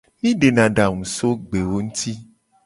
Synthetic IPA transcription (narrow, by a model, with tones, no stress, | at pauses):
mĩ˦ɖe˨nã˨ɖa˨ŋũ˨so˦ɡ͡be˨wo˦ŋũ˦t̪ʰi˦